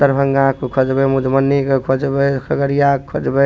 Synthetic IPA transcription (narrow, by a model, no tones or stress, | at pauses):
t̪əɾbʱəŋɡakokʰod͡ʒbemud͡ʒmənːikekʰod͡ʒbekʰəɡəɾijakʰːod͡ʒbɛ